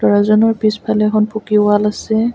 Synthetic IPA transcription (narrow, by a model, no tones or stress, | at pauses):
lɔɹazɔnɔɹpispʰalɛɛkʰɔnpʰukiwalasɛ